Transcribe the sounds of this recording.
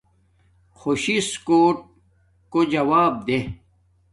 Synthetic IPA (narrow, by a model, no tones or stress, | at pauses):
xoɕiskoːʈ̚ | kod͡ʑɐwaːb̚d̪e